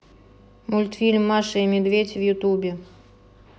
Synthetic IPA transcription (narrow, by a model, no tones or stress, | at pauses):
mulʲt̪fʲilʲmːɑʂɨimʲɪd̪vʲedʲvjut̪ubʲe